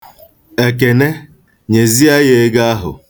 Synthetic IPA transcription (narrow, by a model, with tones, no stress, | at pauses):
e˨k̬e˨ne˦ | ɲe˨zi˦a˦je˦ɡa˦a˦ɦʊ̰˨